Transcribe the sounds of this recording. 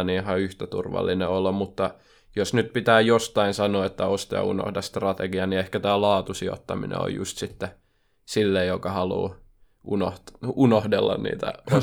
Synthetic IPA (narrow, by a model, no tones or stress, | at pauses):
nihɑyht̪æt̪urʋɑ̰lːineolːɑmmut̪ːɑ | josnyt̪̚pit̪æːjost̪ɑinsɑnoːet̪ːæost̪ɑjɑ̰uno̰hdɑst̪rɑt̪eɡiɑniehkæt̪æːlɑːt̪usio̰t̪ːɑminḛo̰jṵst̪sit̪ːe | silːejjokɑhɑlṵː | ʔunohunohdelːɑ̰nnḭːt̪æ̰ʔo